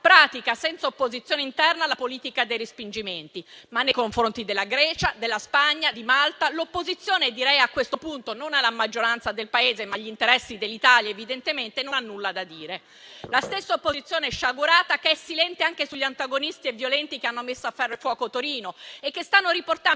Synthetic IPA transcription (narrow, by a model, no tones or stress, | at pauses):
pɾaːt̪ikasɛnt̪saopːozit̪sjoːneint̪ɛrnalapoliːt̪ikad̪ejrispind͡ʒiment̪imanːejkoɱfɾont̪id̪elːaɡɾɛːt͡ʃad̪elːaspaɲːad̪imalt̪alopːozit̪sːjoːned̪iɾɛjakːwest̪opunt̪ononalamad͡ʒːoɾant̪sad̪elpaeːzemaʎːint̪eɾɛsːid̪elːit̪aːljaevid̪ent̪ement̪enonanːulːad̪ad̪iːɾe | last̪esːaopːozit̪sjoːneɛʃːaɡuɾaːt̪akeɛsːilɛnt̪eaŋkesuʎːiant̪aɡonist̪ievːjolɛnt̪ik̟eanːomesːoafːarːefwɔːkot̪oɾiːnoekːest̪anːoɾiport̪a